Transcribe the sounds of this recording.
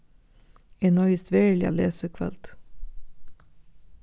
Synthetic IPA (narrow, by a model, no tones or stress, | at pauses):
enɔʏst̪ʋeːɭɪ̰ɑ̰leːsəkʰʋɑ̰lt̪